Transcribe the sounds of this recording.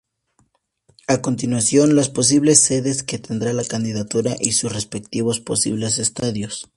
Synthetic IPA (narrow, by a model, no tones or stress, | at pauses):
ako̞nt̪inwasjo̞nlaspo̞s̬iβle̞sːe̞ðe̞ske̞t̪e̞nd̪ɾalakand̪iðat̪uɾaʔisusre̞spek̚t̪iβo̞spo̞sḭβle̞se̞st̪aðjo̞s